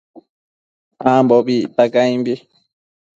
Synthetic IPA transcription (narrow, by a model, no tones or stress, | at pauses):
amboβit̪akajmbi